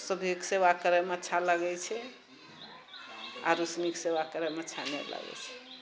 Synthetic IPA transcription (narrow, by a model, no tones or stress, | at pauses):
səbʱiksewakəɾəmeətːʃʰaləɡɛt͡ʃʰɛ | a̰ɾusmiksewakəɾəmeətːt͡ʃʰanɛ̰lə̰ɡɛ̰t͡ʃʰɛ̥